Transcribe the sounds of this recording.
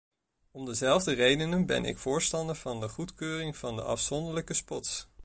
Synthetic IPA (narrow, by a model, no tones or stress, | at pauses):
ɔmdəzɛlˠvdərejdənənbɛ̰nʔɪ̰kfʊːɹstɑndəɹvɑndəχutkøːrɪŋv̥ɑndə̰ʔɑ̰fsɔndəɹləkəspɔts